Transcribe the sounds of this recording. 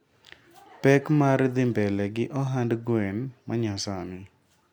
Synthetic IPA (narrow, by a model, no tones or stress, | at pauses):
pɛkmaɾd̪ɪmbɛlɛɡɪʔɔɦandɡwɛnmaɲasamɪ